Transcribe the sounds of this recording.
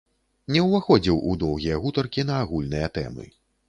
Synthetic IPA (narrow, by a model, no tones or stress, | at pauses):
nʲɛwvaxɔd͡zʲiwʔud̪ɔwɣʲijɐɣut̪ɐrkʲin̪ɐːɣulʲnɨjɐt̪ɛ̰mɨ̰